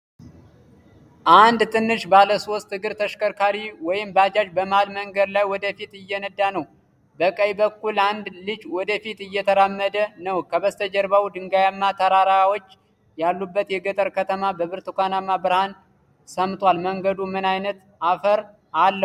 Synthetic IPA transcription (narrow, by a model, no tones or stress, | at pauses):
ʔand̪t̪ʰʼɨnːɨʃbaləso̞st̪ːɨɡɨɾt̪ʰəʃkəɾkʰaɾiwɔjɪmbad͡ʒad͡ʒbəmalməŋɡəd̪lajwɔd̪əfit̪ɨjːɛnəd̪ːanəw | bəkʼəjbəkːuland̪lɨd͡ʒwɔd̪əfit̪ɨjːɛt̪ʰəɾamːəd̪ənəwkʰəβəst̪ʰəd͡ʒəɾbawd̪ɨŋɡajamːat̪ʰəɾaɾaawot͡ʃː | jalːubːət̪jɛɡət̪ʼəɾkʰət̪ʰəmabəβɨɾt̪ɨkʷanamːabɨɾhan | səmt̪ʼwalməŋɡəd̪umɨnajnət̪ | afəɾ | ʔalːə